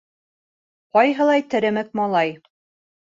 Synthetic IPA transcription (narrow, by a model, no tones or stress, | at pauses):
qɒjɦɤ̆lˠɑjt̪ɘ̆ɾɘ̆mɘk̚mɑlˠɑj